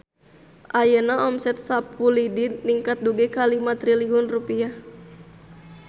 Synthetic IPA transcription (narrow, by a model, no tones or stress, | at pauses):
ʔajənaʔɔmsɛt̪̚sapːulidiniŋkat̪̚duɡɛkalihmat̪riliɦunrupia